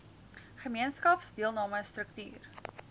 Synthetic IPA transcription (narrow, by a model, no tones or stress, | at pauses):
χəmiənskɐpsdiəlˠnɑːməjstrəkty̰ːr